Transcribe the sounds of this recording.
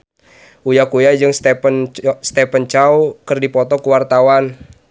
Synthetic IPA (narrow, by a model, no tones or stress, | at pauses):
ujakujad͡ʒɨŋst̪ɛpənst̪ɛpənt͡ʃaukɨrdipɔt̪ɔkəwart̪awan